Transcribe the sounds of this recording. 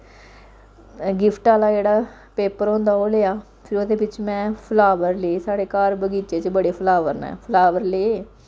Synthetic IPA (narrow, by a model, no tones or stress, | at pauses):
ɡɪpʰʈaːlaːd͡ʒeːɽaː | peːpəɾõːnd̪aːoːleːjaː | pʰɪɾʊd̪eːbɪt͡ʃmɛ̃ːpʰəlaːʋəɾleːsaːɽeːkaːɾbəɡiːt͡ʃeːt͡ʃbəɽeːpʰəlaːʋəɾnɛ̰̃ːpʰəlaːʋəɾleːeː